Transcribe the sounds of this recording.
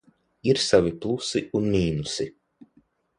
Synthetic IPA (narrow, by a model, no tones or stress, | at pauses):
iɾsaviplˠusiunmiːnusi